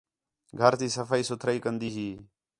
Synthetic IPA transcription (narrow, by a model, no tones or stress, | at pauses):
ɡʱəɾt̪iːsəfʰaːiːsʊt̪ʰɾaiːkənd̪iːɦiː